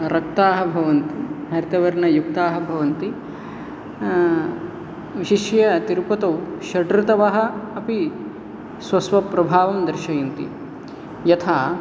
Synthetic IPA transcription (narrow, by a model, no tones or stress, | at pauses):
ɾɐk̚t̪aːɦɐ̆bʱɐʋɐnt̪iɦɐɾt̪ɐʋɐɾɳɐjukt̪aːɦɐ̆bʱɐʋɐnt̪i | ʋiʃiʃjɐt̪iɾpɐt̪ɐwʃɐʈɾit̪ɐʋɐɦɐ̆ːpi | sʋɐsʋɐpɾɐbʱaːʋɐmd̪ɐɾʃɐjɐnt̪ḭ | jɐt̪ʰaː